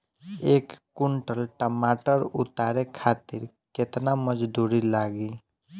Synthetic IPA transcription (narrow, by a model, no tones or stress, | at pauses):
ekːuɳʈəlʈəmaʈəɾut̪aɾekʰat̪iɾ | ket̪naməd͡ʒd̪uɾilaɡi